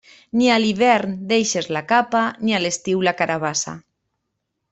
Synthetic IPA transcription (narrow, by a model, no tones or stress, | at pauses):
nialiβɛɾnd̪ejʃezlakapanialest̪iwlakaɾaβ̞asa̰